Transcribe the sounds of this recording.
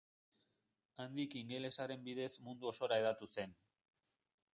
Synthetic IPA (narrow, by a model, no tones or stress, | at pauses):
and̪ikiŋɡe̞le̞saɾe̞mbiðe̞smund̪uo̞so̞ɾae̞ðat̪use̞n